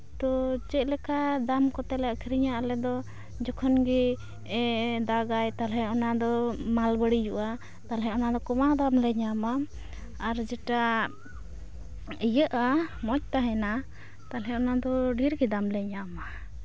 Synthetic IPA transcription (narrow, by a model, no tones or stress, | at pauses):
t̪ɔt͡ʃɛʔ̚lɛkad̪amkɔt̪ɛlɛakʰiɾiɲaʔalɛd̪ɔ | d͡ʒɔkʰɔnɡi | ɛd̪aɡajt̪alɦɛɔnad̪ɔmalbəɽid͡ʒuʔa | t̪alɦɛɔnad̪ɔkɔmad̪amlɛɲama | aɾd͡ʒɛʈa | ijəʔamɔc̚t̪aɦɛna | t̪alɦɛɔnad̪ɔɖiɾɡid̪amlɛɲama